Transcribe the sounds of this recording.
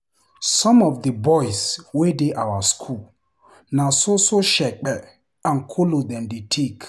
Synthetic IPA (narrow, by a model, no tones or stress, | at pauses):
sɔ̃mɔvdəbɔjswedeʔawaskʰul | nasosoʃɛk͡pɛ | ãnkʰolod̪ɛ̃ndetʰek